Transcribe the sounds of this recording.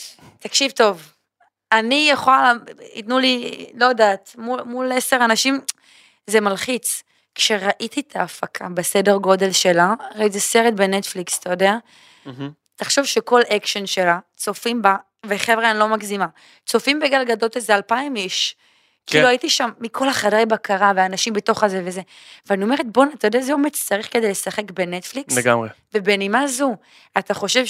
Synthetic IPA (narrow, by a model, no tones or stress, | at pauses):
t̪akʃivto̞v | anijeχolalḭtnulilo̞jadaːt̪mumuleseʁanaʃim | zemalχit͡s | kʃe̞ʁaʔit̪it̪ʰaːfakʰabese̞deʁɡo̞de̞lʃe̞laʁeizeseʁetbenet̪flikst̪ajodea | t̪aχʃovʃeko̞lekʃonʃelat͡so̞fimba | veχevʁaenlo̞maɡzima | t͡so̞fimbeɡalɡadot̪ezealpaimiʃ | kiluaitiʃamːikʰo̞laχadajbakaʁaveaːnaʃimbeto̞χazeveze | veanio̞me̞ʁet̪̚bo̞nat̪ajodeazeomedt͡saʁiχkedejlesaχe̞kbenet̪fliklseɡamʁe | vebenimazu | at̪aχo̞ʃe̞v